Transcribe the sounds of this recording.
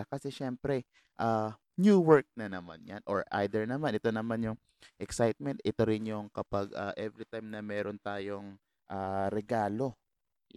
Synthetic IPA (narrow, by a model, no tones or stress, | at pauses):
kɐsɛʃɛmpɾɛ | ʔa | njuːwɛɹk̚nɐnɐma̰nja̰nʔoɹʔa̰jd̪ɛɹnɐmanʔɛt̪o̞nɐmanjʊŋ | ʔɛksajt̪̚mɛnt̪ʔɪt̪oɾɪnjʊŋkɐpaɡʔa̰ʔɛvɾit̪ajmnɐmɛːɾʔont̪aːjo̞ŋ | ʔaːɾɛɡaːlo̞